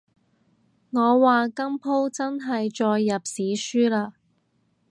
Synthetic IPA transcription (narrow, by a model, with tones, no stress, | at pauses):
ŋɔː˨˧waː˨kɐ˥mpʰo˥wt͡sɐ˥nɦɐ˨jt͡ʃɔː˧jːɐ˨p̚siː˨˥syː˥laː˧